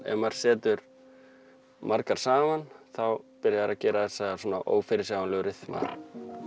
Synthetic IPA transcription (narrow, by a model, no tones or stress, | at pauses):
ɛ̰maɾ̥sɛːt̪ʏɾ | mʔaɾkaɾ̥saːmanθawpɪɾjaɾacɛːɾaθɛsːasɔːnaʔo̰ːwfɪɾɪsawanlɛːɣʏɾɪθma̰ːn